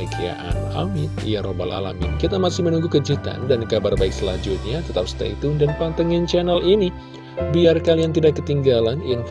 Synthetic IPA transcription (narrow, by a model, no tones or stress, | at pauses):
əkia̰ʔa̰na̰mɪt̪ijaɾoba̰la̰la̰mḭnkit̪amasɪhmənuŋɡukəd͡ʒit̪a̰ndankabarbaik̚səlad͡ʒut̪̚ɲat̪ət̪ap̚st̪ḛit̪uŋdanpant̪əŋɪnt͡ʃɛnəlini | biarkaliant̪idakːət̪iŋɡalanjaŋ